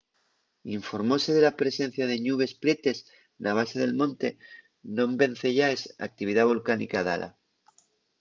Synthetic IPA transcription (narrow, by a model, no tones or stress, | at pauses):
iɱfo̞ɾmo̞se̞ðe̞lapɾe̞se̞n̟θjaðe̞ɲuβ̞e̞spɾe̞t̪e̞s | naβ̞aseðe̞lmõ̞nt̪e̞ | nõ̞mbe̞n̟θe̞ʝaesa̰k̚t̪iβiðaβolkanḭkaða̰la̰